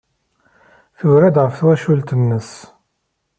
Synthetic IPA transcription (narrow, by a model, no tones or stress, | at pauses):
θəvɾæd̪ʁəfθwæʃult̪ənːəs